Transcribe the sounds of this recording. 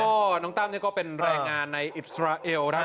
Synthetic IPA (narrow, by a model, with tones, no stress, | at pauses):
ɔː˥˩nɔː˦˥˩ŋt̪aː˥˩mniː˥˩kɔː˥˩pe˧nɾɛː˧ŋŋaː˧nːa˧jʔi˨˩t̪̚sɾaː˧ʔe˧wna˦˥